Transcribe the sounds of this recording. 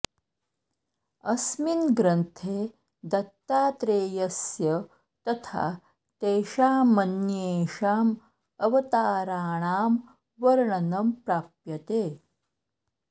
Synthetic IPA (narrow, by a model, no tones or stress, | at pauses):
ɐsminɡɾɐnt̪ʰeː | d̪ɐt̪ːaːt̪ɾeːjɐsjɐ | t̪ɐt̪ʰa̰ː | t̪eːʃaːmɐnjeːʃaːm | ɐʋɐt̪aːɾaːɳaːm | ʋɐɾɳɐnɐmpɾaːpjɐt̪eː